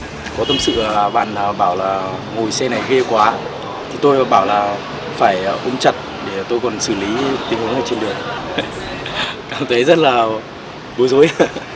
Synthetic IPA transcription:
kɔ˨˦t̪ə˧msɨ̰˧˨˩ɓa̰ː˧˨nəː˨˩ɓaː˧˩wlaː˨˩ŋo˨˩jsɛ˧na˨˩jɣe˧kwaː˨˦ | t̪ʰi˨˩t̪o˧jɓaː˧˩wlaː˨˩ | faː˧˩jʔu˧ŋ͡mt͡ɕə˨˩t̚ | ɗe˧˩t̪o˧jkɔ˨˩nsɨ˧˩li˨˦t̪ï˨˦ŋhu˨˦ŋəː˧˩t͡ɕe˧nɗɨ˨˩əŋ | kaː˨˩mt̪ʰə˨˦jzə˦˥t̚laː˨˩ | ɓo˨˦jzo˨˦j

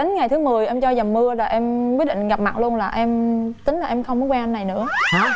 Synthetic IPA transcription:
ï˨˦ŋ̟ŋa˨˩jt̪ʰɨ˨˦mɨ˨˩əjʔɛ˧mt͡ɕɔ˧zə˨˩mːɨ˧əlaː˨˩ʔɛ˧mkwi˦˥t̚ɗḭ˧˨ŋ̟ɣa˨˩p̚ma̰˨˩lu˧ənlaː˨˩ʔɛ˧mt̪ï˨˦ŋla˨˩ʔɛ˧mxə˧wŋ͡mm˨˦nkwa˧ʔa˧nːa˨˩jnɨ̰˧˥əa˨˩

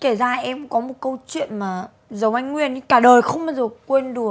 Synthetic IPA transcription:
ke˧˩zaː˧˩ʔɛ˧mkɔ˨˦mo˨˩t̚kə˧wt͡ɕwḭ˧˨ənmaː˨˩ | zə˨˦wʔa˧jŋ̟ŋwi˧ən˧kaː˧˩ɗəː˨˩jxə˧wŋ͡mɓaː˧wzəː˨˩kwe˧nɗɨ˨˩ə˩

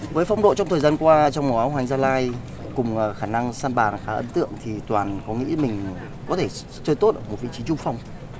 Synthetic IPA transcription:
vəː˨˦jfa˧wŋ͡mɗo̰˧˨t͡ɕɔ˧wŋ͡mt̪ʰə˨˩jzaː˧nkwaː˧t͡ɕɔ˧wŋ͡mmo˨˩ʔaː˨˦wɦa˨˩ŋ̟zaː˧laː˧j | kʊ˨˩ŋ͡mʔxaː˧˩na˧ŋsaː˧nɓaː˨˩nxaː˨˦ʔə̰˨˦nt̪ɨ̰˧˨əŋt̪ʰi˨˩t̪waː˨˩nkɔ˨˦ŋḭ˧˥mï˨˩ŋ̟ | kɔ˨˦t̪ʰe˧˩ | t͡ɕəː˧jt̪o˦˥t̚ʔəː˧˩mo˨˩t̚vḭ˧˨t͡ɕi˨˦t͡ɕʊ˧ŋ͡mfa˧wŋ͡m

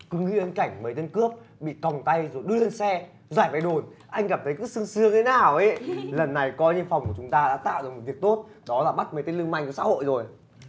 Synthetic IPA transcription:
kɨ˨˦ŋḭ˧˨ʔə˧nka˧˩jŋ̟mə˨˦jt̪ə˧nkɨ˦˥əp̚ | ɓḭ˧˨kɔ˨˩wŋ͡mt̪a˧jzo˨˩jɗɨ˧əle˧nsɛ˧ | zwaː˧˩jva˨˧˩jɗo˨˩nʔa˧jŋ̟ɣaː˨˩p̚t̪ʰə˨˦jkɨ̰˧˥sɨ˧əŋsɨ˨˧˦əŋt̪ʰe˨˦naː˨˩wʔə˨˦lə˨˩nːa˨˩jkɔ˨˦ɲɨ˧ənfɔ˨˩wŋ͡mku˧˩t͡ɕʊ˨˦ŋ͡mt̪aː˧ɗa̰ː˧˥t̪a̰ː˧˨wɗɨ˨˩k̚mo˨˩t̚vək̚t̪o˦˥t̚ | ɗɔ˨˦laː˨˩ɓa˦˥t̚mə˨˦jt̪e˧˦ləŋma̰˧˨jŋ̟˧˩sa̰ː˧˥ho̰˧˨jzo˨˩j

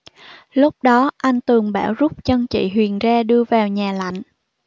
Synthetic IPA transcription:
lʊ˦˥k͡p̚ɗɔ˨˦ʔa˧jŋ̟t̪ɨ˨˩əŋɓa̰ː˧˩wzʊ˦˥p̚t͡ɕə˧nt͡ɕḭ˧˨ɦwi˨˩ənzaː˧ɗɨ˧əvaː˨˩wɲaː˨˩la̰˧˨jŋ̟

